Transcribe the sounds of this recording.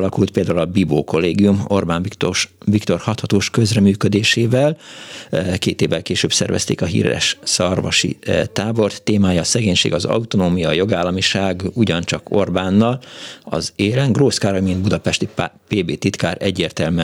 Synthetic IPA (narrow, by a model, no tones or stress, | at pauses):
lɒkult̪̚peːld̪aːulɒbiboːko̞lːeːɡijumo̞rbaːnivikt̪o̞rhɒt̪hɒt̪oːʃkø̞zrɛmyːkød̪eːʃeːvɛl | keːt̪eːvːɛlkeːʃøːbsɛ̰rvɛ̰st̪ḛːkɒɦḭːrɛ̰ʃsɒrvɒ̰ʃḭt̪aːbo̞rt̪ːeːmaːjɒːsɛɡeːɲʃḛːɡɒzɒ̰ut̪onoːmijɒːjo̞ɡaːlːɒmiʃaːɡuɟɒnt͡ʃɒko̞rbaːnːɒlɒ̰zeːlɛŋɡroːskaːɾojmind̪̚bud̪ɒpɛʃt̪ipeːbeːt̪it̪kaːɾʔɛɟːeːrt̪ɛlmɛ